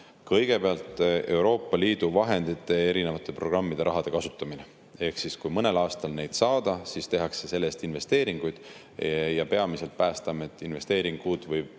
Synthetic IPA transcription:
kɤjɡ̥e̞peɑlt̪ˑe̞wɾo̞ːpːɑliːd̪̥uvɑɦe̞nd̪̥it̪ːˑe̞e̞ɾine̞vɑt̪ːˑe̞pro̞ɡ̥rɑmːid̪̥e̞ɾʔɑɦɑd̪̥e̞kɑsut̪ːˑɑmine | e̞hksiskujmɤne̞lɑːst̪ɑlne̞jd̪̥sɑːd̪̥ɑsist̪e̞ɦɑkse̞se̞lːe̞st̪inve̞st̪e̞ːɾiŋɡ̥ujd̪̥ | jɑpe̞ɑmise̞lt̪̚pæːst̪ɑmet̪ːˑinve̞st̪e̞ːɾiŋɡ̥uːd̪vɤj

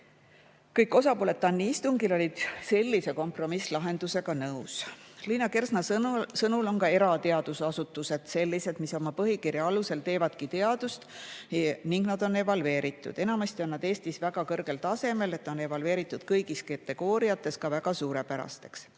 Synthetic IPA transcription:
kɤjkːˑo̞sɑpoːle̞t̪ːɑnːiist̪uŋɡilo̞lʲid̪̥se̞lʲːise̞ko̞mpro̞mislɑɦe̞nd̪̥use̞ɡ̥ɑnɤusliːnːɑke̞rsnɑsɤnulo̞nkɑe̞ɾɑt̪e̞ɑd̪̥usɑsut̪ːˑuse̞d̪̥se̞lːise̞d̪̥miso̞mɑpɤɦikirjɑɑluse̞lt̪e̞ːvɑd̪̥kit̪e̞ɑd̪̥ust̪ | niŋɡnɑd̪̥o̞ne̞vɑlve̞ːɾit̪ːˑṵd̪̥e̞nɑmɑst̪io̞nːɑd̪̥e̞ːst̪isvæɡ̥ɑkɤrɡ̥e̞lt̪ɑse̞me̞le̞t̪ːˑo̞ne̞vɑlve̞ːɾit̪ˑːud̪̥kɤjɡiskɑt̪ːˑe̞ɡ̥o̞ːɾijɑt̪ːˑe̞skɑvæɡ̥ɑsuːɾe̞pæɾɑ̰st̪e̞ks

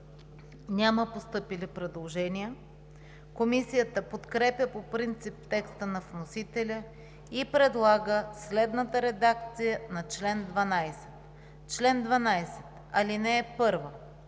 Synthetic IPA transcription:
nʲaməpost̪ɤpilipɾɛd̪lˠoʒɛnijə | komisijət̪əpot̪kɾɛpʲjəpopɾint̪sip̚t̪ɛkst̪ənɐvnosit̪ɛlʲə | ipɾɛd̪lˠaɡəslɛd̪nət̪əɾɛd̪akt̪sijənɐt͡ʃlɛnd̪vɐnajsɛ̥t̪ | t͡ʃlɛnd̪vɐnajsɛ̥t̪ | ɐlinɛːpɤɾvə

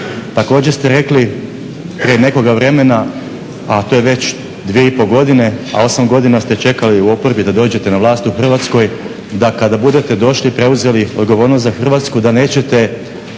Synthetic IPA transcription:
t̪ako̞ːd͡ʑest̪eɾe̞kli | pɾiene̞ko̞ɡaʋɾe̞me̞na | at̪ojeʋe̞t͡ɕ | d̪ʋieipo̞ɡo̞d̪ine̞a̰o̞samɡo̞d̪inast̪e̞t͡ʃe̞kaliuo̞po̞ɾbid̪ad̪o̞ːd͡ʑe̞t̪e̞naʋlˠaːst̪uxr̩ʋat̪sko̞j | d̪akad̪abud̪e̞t̪e̞d̪o̞ʃlipɾe̞uze̞lio̞d̪ɡo̞ʋo̞ːɾnost̪zaxr̩ʋaːt̪skud̪ane̞ːt͡ɕe̞t̪e̞

